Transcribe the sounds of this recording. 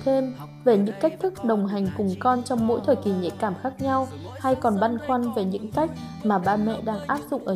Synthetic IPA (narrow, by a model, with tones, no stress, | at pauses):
t̪ʰe˧m | ve˨˩ɲɨ̰˧˥ŋka˦˥k̟̚t̪ʰɨ˦˥k̚ɗə˨˩wŋ͡mɦa˨˩jŋ̟kʊ˨˩ŋ͡mkɔ˧nt͡ɕɔ˧wŋ͡mmo̰˧˥jt̪ʰəː˨˩jki˨˩ɲḛ˧˨kaː˧˩mxaː˦˥k̚ɲa˧w | ha˧jkɔ˨˩nɓa˧nxwa˧nve˨˩ɲɨ̰˧˥ŋka˦˥jk̟̚ | maː˨˩ɓa̰ː˧˨mɛ̰˧˨ɗaː˧ŋʔaː˦˥p̚zʊ̰˧˨ŋ͡mʔəː˧˩